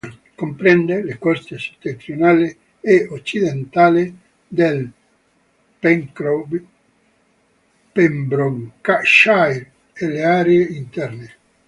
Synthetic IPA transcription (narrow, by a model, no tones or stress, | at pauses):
kompɾɛnd̪elekɔst̪ese̥t̪ːent̪ɾionaːle | eot͡ʃːid̪ent̪aːle | d̪el | pɛŋkɾo | pembɾoŋkaʃajɾ | eleaɾeeint̪ɛrne